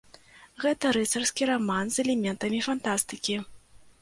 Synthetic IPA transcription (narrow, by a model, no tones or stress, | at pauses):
ɣɛt̪ɐɾɛt̪sɐrskʲiɾamanzɛlʲɛmʲɛnt̪ɐmʲifant̪ast̪ɨkʲi